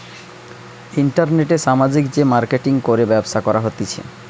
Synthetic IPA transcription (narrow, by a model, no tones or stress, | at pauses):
iɳʈaɾneʈeʃamad͡ʑikd͡ʑemaɾkeʈiŋkoɾebɛbosakɔɾaɦot̪it͡ɕʰḛ